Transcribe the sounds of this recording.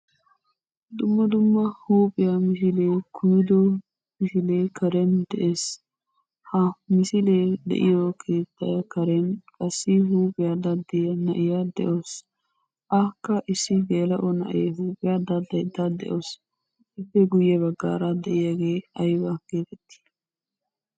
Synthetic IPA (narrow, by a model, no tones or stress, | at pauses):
d̪ʊmːɐd̪ʊmːɐhuːpʼɪjɐmɪs̬ɪlekʰʊjɪd̪ɔ | mɪsɪleːkʰɐɾɛnd̪ɛʔes | hɐmɪsɪled̪ɛ̰ʔɪ̰jɔkʰeːt̪ʰːɐjɐkɐɾɛnkʼɐsːɪɦuːpʼɪjad̪ɐd̪ːɪjɐnɐʔɪjad̪ɛ̰ʔos | ʔɐkːɐʔɪsːɪɡeːlɐʔɔnɐ̰ʔeːɦuːpʼɪjad̪ɐd̪ɐjd̪ɐd̪ɛ̰ʔos | ʔɪfːɛɡʊjːɛbɐɡːa̰ːɾɐd̪ɛʔɪjaɡe̞ːɐjbɐɡ̥eːt̪ɛt̪ːi̥